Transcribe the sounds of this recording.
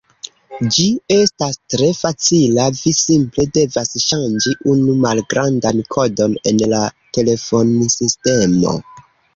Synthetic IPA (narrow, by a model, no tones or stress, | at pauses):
d͡ʒie̞stastɾe̞fat͡silavisimple̞de̞vasʃand͡ʒiʔunumalɡɾandankʰo̞do̞ne̞̰nlate̞le̞fo̞nsiste̞mo̞̰